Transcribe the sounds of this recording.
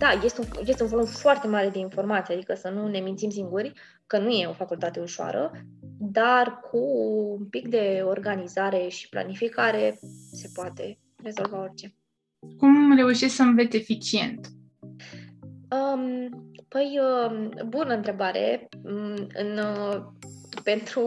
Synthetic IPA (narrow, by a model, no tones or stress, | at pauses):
d̪aje̞st̪ujest̪eunvolumfoart̪e̞maɾe̞d̪e̞info̞rmat̪siad̪ikəsənune̞mint̪sims̬iŋɡurʲ | kənuje̞o̞fakult̪at̪e̞uʃowa̰ɾə̰d̪arkʰuumpikd̪e̞o̞rɡanizaɾe̞ʃi̥pla̰nifikaɾe̞se̞poat̪e̞ | re̞zo̞lvao̞rʲt͡ʃe̞ | kumre̞uʃisʲksəmvet̪sʲe̞fit͡ʃie̞̰nt̪ | əmpəjəmbunəɨnt̪ɾe̞baɾe̞̰ | ɨ̰n | pe̞nt̪ɾu